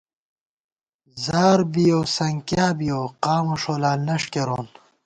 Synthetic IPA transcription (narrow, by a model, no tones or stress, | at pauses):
zaːɾbijoːsɐŋkjaːbijoːqaːmuʂoːlaːnɐʂkeɾoːn